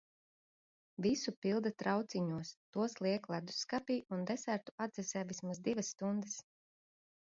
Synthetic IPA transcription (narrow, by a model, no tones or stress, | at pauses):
visupilˠd̪at̪ɾawt̪siɲuɔst̪uɔslˠiɛklˠad̪u̥sːkapiːund̪ɛsæɾt̪u̥ad̪zɛsɛːvismazd̪ivɐsːt̪und̪ɛs